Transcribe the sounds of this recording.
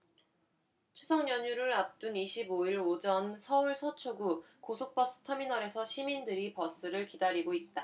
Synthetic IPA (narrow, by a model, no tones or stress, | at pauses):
t͡ɕʰusʰʌŋɲʌɲuɾɯɭap̚t͈uniɕʰiboiɾod͡ʑʌnsʰʌuɭsʰʌt͡ɕʰoɡu | kosʰok̚p͈ʌs͈ɯ̥tʰʌminʌɾe̞sʰʌɕʰimindɯɾipʌs͈ɯɾɯɭkidaɾiɡoit̚t͈a